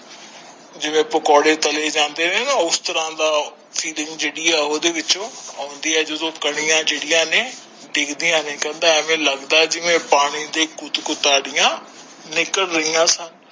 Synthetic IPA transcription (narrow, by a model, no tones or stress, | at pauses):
d͡ʑɪʋẽpʊkɔːɽet̪ɐled͡ʑãːnd̪enenːʊst̪ɐɾãd̪aː | fiːlɪ̃ŋɡd͡ʑeːɽiaɦoːd̪eʋɪt͡ʃõõːnd̪iaːd͡ʑod̪okɐɽ̃ijãd͡ʑeːɽijãnẽ | ɖɪɡd̪ijãnẽkɐ̃nd̪aɛ̃mẽlɐɡd̪aːɦɛd͡ʑɪʋẽpaːɽ̃id̪ekʊt̪kʊt̪aːɽijã | nɪkəɽɾɐɦijãːsɐnɪ̆